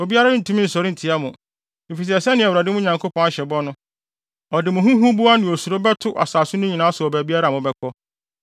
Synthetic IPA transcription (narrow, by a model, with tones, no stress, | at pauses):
o˨bi˦a˦ɾa˦nʊ̃˦n̩˨tʰu˦m̃˦n̩˨sɔ˨ɾɪ̃˦n̩˨tʰɪ˨a˦mʊ̃˨ | m̩˨fi˨s̬ɛ˨sɛ˦nɪ̃˨ɛ˨wɾa˨dɪ˦mʊ̃˦ɲã˨ŋkʰo˦pʰɔ̃˦na˦ɕɛ˨bɔ̃˦nʊ̃˦ | ɔ˨dɪ˨mʊ̃˨ɦũ˦ɦũ˦bu˦a˦nɪ̃˨o˨su˨o˦bɛ˦tʰʊ˦ʔa̰˨saː˨sʊ˦nʊ̃˦ɲĩ˨nã˦sʊ˨ɔ˨bæ˨bi˦a˦ɾa˦˨mʊ̃˨bɛ˦kʰɔ˦